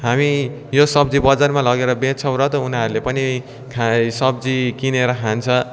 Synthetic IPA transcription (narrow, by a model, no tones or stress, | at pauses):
ɦami | josʌbd͡zibʌd͡zarmalʌɡeɾʌbẽt͡sʰʌwɾʌt̪ʌunɦaɾulepʌni | kʰasʌb̚d͡zikineɾʌkʰant͡sʰʌ